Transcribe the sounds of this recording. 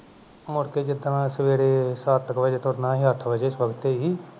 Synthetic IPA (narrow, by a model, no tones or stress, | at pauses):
mʊɽkeːd͡ʒɪd̪nãːsəʋeːɽeːsaːt̪ːəkʋəd͡ʒeːt̪ʊɾnãːɦiːəʈʰbəd͡ʒeːɪsbəkt̪eɦiː